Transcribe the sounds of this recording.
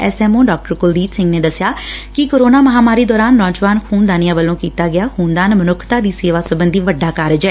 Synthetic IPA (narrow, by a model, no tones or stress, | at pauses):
ɛ̰ːsɛːmõːɖaːk̚ʈəɾkʊld̪iːpsɪ̃ŋɡneːd̪əsɪjaːkɪkoːɾoːnaːməɦaːmaːɾiːd̪ɔːɾaːnːɔ̃ːd͡ʒʋaːnkʰuːnd̪aːnɪjãːʋəlːõːkiːt̪aːɡɪaːxuːnd̪aːnmənʊkʰt̪aːd̪iːseːʋaːsəbənd̪iːʋəɖːaːkaːɾəd͡ʒɛː